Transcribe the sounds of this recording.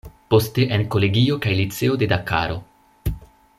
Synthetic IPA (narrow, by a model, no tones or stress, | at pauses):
po̞ste̞ʔenko̞le̞ɡio̞kajlit͡se̞o̞de̞daka̰ɾo̞